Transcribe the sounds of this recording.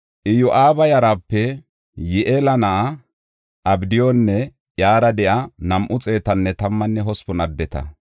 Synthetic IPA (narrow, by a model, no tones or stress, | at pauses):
ʔɪjʊʔaːbɐjɐɾaːpːɛ | jɛʔelɐnɐʔa | ʔɐbd̪ɪjonːɛ | ʔjaːɾɐd̪ɛʔɐnɐmʔʊt͡sʼe̞ːt̪ɐnːɛt̪ɐmːɐnːɛɦɔspɔnɐd̪ːɛt̪ɐ̰